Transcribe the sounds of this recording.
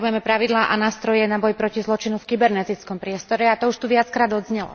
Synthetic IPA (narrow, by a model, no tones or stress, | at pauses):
bujɛmɛpɾaʋid̪laːʔanaːst̪ɾɔjɛnabɔjpɾɔcizlˠɔt͡ʃinufkibɛɾnɛt̪it͡skɔmpɾɪɛst̪ɔɾɛat̪ɔuʃt̪uʋɪat͡skɾaːd̪ɔd̪zɲɛlɔ̰